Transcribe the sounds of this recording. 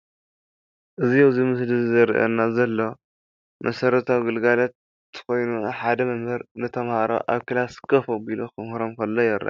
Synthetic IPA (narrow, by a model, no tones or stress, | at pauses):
ʔɨzijowzimɨslizɐɾʔɐ̰nːazɐlːo̞ | mʔɐsɐɾɐt̪ʰawɡɨlɡalɐt̪ː | ɨ̥xo̞jnuħad̪ɐmɐmhɨɾnɨt̪ʰɐmhaɾo̰ʔa̰βkɨlaskʰɐfoɡilokɨmhɾomkɐlːojɛɾʔɐ̰